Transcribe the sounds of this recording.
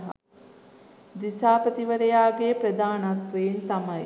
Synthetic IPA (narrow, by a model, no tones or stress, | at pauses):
ɦ | d̪isaːpət̪iʋəɾejaːɡepɾɐd̪aːnat̪ɾeint̪amɐj